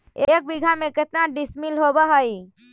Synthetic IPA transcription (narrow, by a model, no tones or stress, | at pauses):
ek̚biɡʱameket̪naɖismilɦobəɦəj